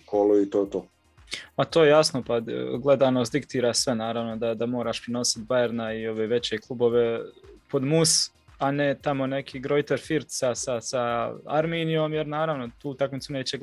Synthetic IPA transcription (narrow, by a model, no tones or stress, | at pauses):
kʰoluit̪oːjet̪oː | mat̪ojejasno̞paɡle̞d̪aːnost̪d̪ikt̪iːɾaːsʋe̞naːɾaʋno̞d̪ad̪amo̞ːɾaːʃpɾeno̞si̥t̪̚bajeɾnaio̞ʋeːʋe̞t͡ɕeklˠubo̞ʋe̞po̞d̪mus | ane̞t̪amo̞ne̞kʰiːɡɾo̞jt̪eɾfiɾt̪sasasaaɾmeːnijoːmjeɾnaːɾaʋno̞t̪uːt̪akmit̪suneːt͡ɕe